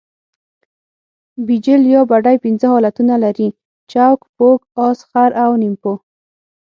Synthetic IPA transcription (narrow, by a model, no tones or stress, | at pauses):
bid͡ʒɪljɑbaɖajpinzəhɔlat̪unalaɾi | t͡ʃawkpokɑsxaɾawnimpo